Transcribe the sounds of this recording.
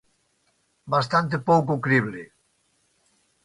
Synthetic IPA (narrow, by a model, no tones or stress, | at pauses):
bast̪ant̪epowkokɾiβle